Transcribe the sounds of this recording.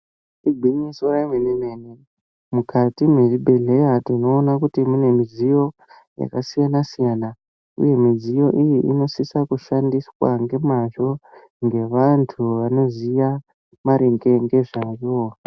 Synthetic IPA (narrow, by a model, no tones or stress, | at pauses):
iɡʱiɲisoɾamenemene | mukʰatime̞ribʱe̞ɮe̞jatino̞ːnakutimune̞mizijo̞ | ja̰kasijanasijana | ṵje̞mizijo̞ʔijiʔino̞sisakuʃandiswa̰ŋɡe̞maʐo̞ | ŋɡe̞ʋantʰuʋano̞zija | maɾeŋɡe̞ŋɡe̞ʐajo